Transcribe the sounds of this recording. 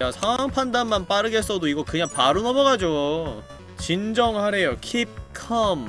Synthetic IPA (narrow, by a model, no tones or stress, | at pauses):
asʰaŋwaŋpʰandanmanp͈aɾɯɡe̞s͈ʌdoiɡʌkɯɲaŋpaɾunʌmʌɡad͡ʑo | t͡ɕind͡ʑʌŋhaɾe̞jokʰip̚kʰʌm